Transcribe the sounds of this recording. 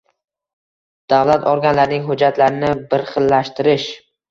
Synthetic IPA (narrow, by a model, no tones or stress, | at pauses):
d̪̥avlat̪ʰɒɾɡʲanlaɾnɪŋɦʊd͡ʒat̪ʰlaɾɪnɪbɪɾχɨlːaʃt̪ʰɪɾɪʃ